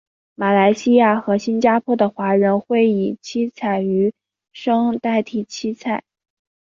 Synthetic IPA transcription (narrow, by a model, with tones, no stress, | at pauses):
ma˨˩la˧˥ɪɕi˥ja˥˩xɤ˧˥ɕi˥nt͡ɕja˥pʰwɔ˥d̪ə˨xwa˧˥ɻə˧˥nxwe˥˩ɪi˨˩t͡ɕʰi˥t͡sʰa˥˩ɪy˧˥ | ʂɤ˥ŋt̪a˥˧ɪt̪ʰi˥˩t͡ɕʰi˥t͡sʰa˥˩˦ɪ